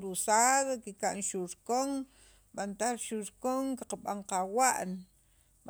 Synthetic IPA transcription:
ɾusaðkikaʔnʃuɾkoŋ | ɓant̪aɾʃuɾkoŋkaqaɓaɴqawaʔn | ɓ

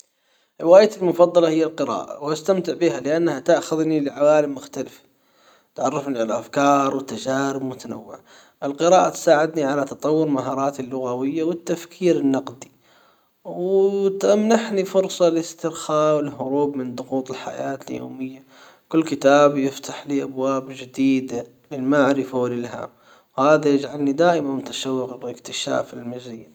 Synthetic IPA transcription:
ʔwaːjt̪ɪlmʊfɑd̪ˤːɑlɑhɪjːalqɨɾɑ̰ːʔa̰wʔast̪amt̪ɪʕbihalɪʔanːhat̪aʔxʊðnilɪʕawaːlɪmːʊxt̪alɪfḁ | t̪ʕɑrˤːɑfniʕalaʔafkɑːɾˤwɪt̪ːad͡ʒaːɾɪbmʊt̪ana̰wːɪ̰ʕa | ʔɪlqɨɾɑːʔat̪saːʕɪd̪niʕalat̪ɑt̪ˤɑwːʊɾmaɦɑːɾˤɑːt̪ɪlːʊɣawɪjːawɪt̪ːafkʰiːɾɪnːɑqd̪i̥ | wt̪ʔamnaħnifʊɾsˤɑlɪst̪ɪɾxaːwɪlɦʊɾuːbmɪnd̪ˤʊɣuːt̪ˤɪlħa̰jaːt̪ɪljo̰ːmɪjːa | kʊlːkɪt̪aːbjɪft̪aħliːʔabwaːbd͡ʒɪd̪iːd̪a | lɪlmaʕɾɪfawɪlɪlɦa̰ːm | whaːðajɪd͡ʒʕalnid̪aːʔɪmanmʊt̪aʃawːɪqɪkt̪ɪʃa̰ːfɪlmad͡ʒzɪjːan

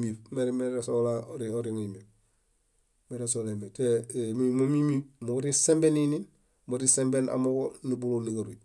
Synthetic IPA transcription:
mifmeɾmeesolaoɾioɾiŋimif | meɾes̬olemetemimomimimoɡoɾisembeninin | moɾisembena̰moɡonibuloniɡaɾui

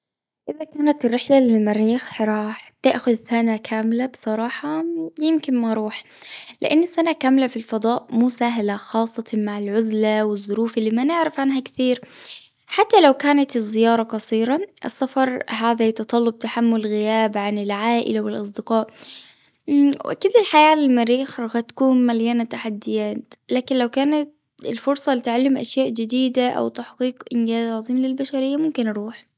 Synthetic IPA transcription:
ʔɪðakaːnat̪ɪrːɪħlalɪmaɾiːxħɾˤɑːħt̪ɪʔxʊðθanakʰaːmlabsˤɑɾˤɑːħɑjɪmkɪnmaɾˤuːħlɪ̰ʔanːɪsːanakaːmlafilfɑd̪ˤɑːʔmuːsaːɦɪlaxɑːsˤːɑt̪maʕɪlʕʊzlawɪzˤːʊɾuːfɪlːiːmanɪʕɾɪfʕanɦakθiːɾ | ħat̪ːalawkaːnat̪ɪzːɪjɑːɾˤɑqɑsˤiːɾaʔɪ̰sːafɑɾˤɦaːðat̪ɑt̪ˤɑlːʊb̚t̪aħamːʊlɣɪjaːbʕanɪlʕaːʔɪ̰lawɪlʔɑsˤd̪ɪqɑːʔ | wʔa̰kiːd̪ɪlħajaːlɪlmaɾiːxɣat̪ḁkuːnmaljanat̪aħad̪ːɪjaːt̪laːkɪnlawkaːnat̪̚ | ɪ̰lfʊɾsˤɑlɪt̪ʕalːɪmʔa̰ʃjaːʔd͡ʒɪd̪iːd̪aʔa̰wt̪aħqiːqʔɪnɡaːzʕɑzˤiːmlɪlbaʃaɾɪjːamʊmkɪnɾˤuːħ

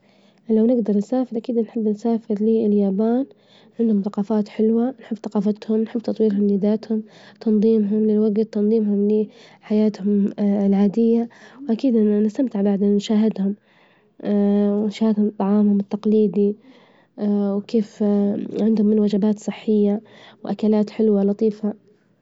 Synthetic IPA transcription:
lawnɪɡd̪ɑɾˤnsaːfɪɾʔakiːd̪nħɪbːnsaːfɪɾliːɪljaːbaːn | ʕɪnd̪hʊmθɑqɑːfaːt̪ħɪlwanħɪbːθɑqɑːfɑt̪hʊmnħɪbːt̪ɑt̪ˤwiːɾɦʊmlid̪aːt̪hʊmt̪ʰɑnðˤiːmɦʊmlɪlwaɡt̪t̪ːɑnðˤiːmhʊmliħajaːt̪hʊmlʕaːd̪ɪjːawʔakiːd̪ʔɪnːnɪst̪amt̪ɪʕbaʕd̪annʃaːɦɪd̪hʊm | wɪnʃaːhɪd̪hʊmt̪ˤːɑʕɑːmhʊmɪt̪ːɑqliːd̪i | wkeːfʕɪnd̪hʊmːɪnwad͡ʒabaːt̪sˤɨħːɪjːawʔakalaːt̪ħɪlwalɑt̪ˤiːfa

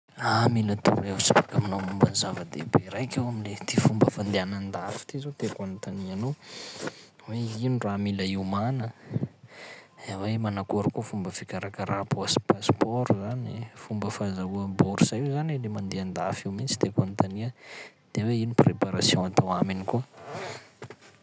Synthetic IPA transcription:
amilət̪ṵɾeusi̥fakaminomumbanizavəd̪ḛbeɾajkʲewamilet̪ifumbəfand̪eanand̪afi̥t̪izot̪ekant̪anianow | weiniramiləiumanə | wemanakoɾukufumbəfikʲaɾakəɾapoasi̥paspɔɾuzanifumbəfazauəboɾuzajuzanilemand̪eand̪afiwmint͡si̥t̪ekant̪aniəd̪̥eweiniprepaɾasjɔ̃at̪awaminikuə

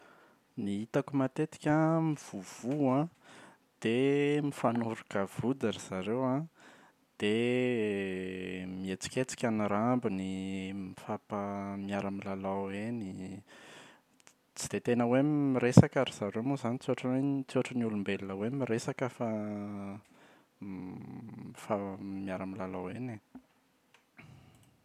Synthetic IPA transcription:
niit̪akumat̪et̪i̥kʲamiv̥uv̥uã | d̪̥emifanuɾukav̥ud̪aɾiz̥aɾewã | d̪̥e | miet͡si̥kʲet͡si̥kʲaniɾambinimifapamiaɾamilalaeni | t͡si̥d̪̥et̪enəwemmiɾesakaɾiz̥aɾewmuzanit͡suaʈ͡ʂəet͡suaʈ͡ʂənulumbelunəwemiɾesakəfa | famiaɾamilalawene

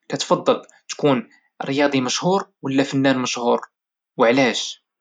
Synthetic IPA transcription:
kæt̪fɑd̪ˤːɑl | t̪kun | rjɑd̪ˤiməʃhuɾwəlːæfənːænməʃhuɾ | wəʕlæʃ

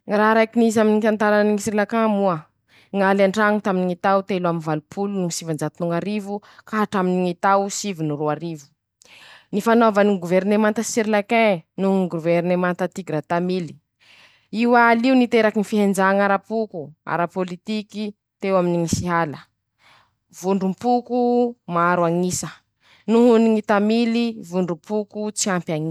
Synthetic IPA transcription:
ŋɾaɾajkinizaminit̪ant̪aɾaniŋisiɾilakamuə | ŋalaɳɖ͡ʐaŋut̪aminiŋit̪awt̪eluaminvalupʰulunuŋisivand͡ʒat̪unuŋaɾivukaɦaʈ͡ʂaminiŋit̪awsivinuɾuaɾivu̥ | nifanovaniɡuvɛɾnemant̪əsiɾilakenuŋɡuvɛɾnemant̪ət̪iɡɾat̪amili̥ | iwaːliunit̪eɾakinifiɦend͡ʒaŋaɾapukua̰ɾapolit̪iki | t̪ewaminiŋisiɦalə | vuɳɖ͡ʐumpukumaːɾwaŋisə | nuɦuniŋit̪amilivuɳɖ͡ʐumpukut͡siampjaŋi

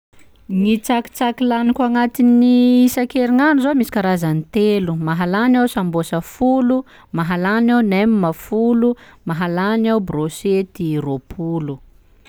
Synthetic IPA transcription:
ŋit͡saki̥t͡sakilanikaŋat̪inisakeɾiŋanuzomisi̥kaɾazanit̪elumaɦalanawsambosəfulu | maɦalanawnemimafulumaɦalanawbroset̪iropʰulu

